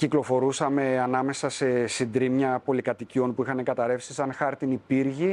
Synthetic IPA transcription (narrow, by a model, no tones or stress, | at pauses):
ciklo̞fo̞ɾusɐme̞ɐnɐme̞sɐse̞sind̪ɾimɲɐpo̞likɐt̪icio̞npuixɐneŋɡɐt̪ɐɾe̞fsisɐnxɐɾt̪inipiɾʝi